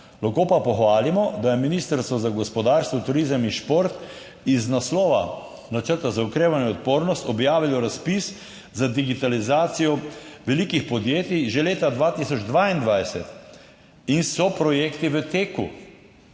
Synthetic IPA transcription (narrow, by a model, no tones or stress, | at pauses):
laxkoːpapɔxʋaːlimɔd̪ajɛminiːst̪əɾst̪ʋɔzaɡɔspɔd̪aːɾst̪ʋɔt̪uɾizəminʃpoɾt̪ | iznaslɔːʋa̰ | nat͡ʃəɾt̪azaukɾeːʋanjɛɔt̪̚poːɾnɔst̪ɔbjaːʋilɔɾaspis | zad̪iɡit̪alizaːt̪sijɔʋɛlikixpɔd̪jeːt̪iʒeleːt̪ad̪ʋaːt̪isɔd͡ʒd̪ʋaːind̪ʋajsɛ̰t̪ | insɔpɾɔjeːkt̪iʋət̪eːkṵ